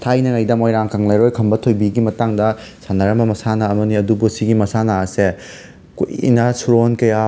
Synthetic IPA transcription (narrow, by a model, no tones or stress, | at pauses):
tʰajnɐŋajdɐmojɾaŋkaŋlajɾojkʰɐmbɐtʰojbiɡimɐtaŋdɐsanɐɾɐmbɐmɐsanɐːmɐniɐdubusiɡimɐsanaɐse | kṵjḭnɐsuɾonkɐja